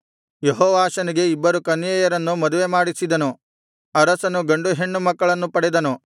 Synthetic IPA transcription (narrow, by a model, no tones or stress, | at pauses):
jeɦɔːʋaːʃɐniɡe̞ibːɐɾukɐnjɐjɐɾɐnːumɐd̪uʋemaːɽisid̪ɐnu | ɐɾɐsɐnuɡɐɳɖuɦe̞ɳːumɐkːɐɭɐnːupɐɽɛd̪ɐnu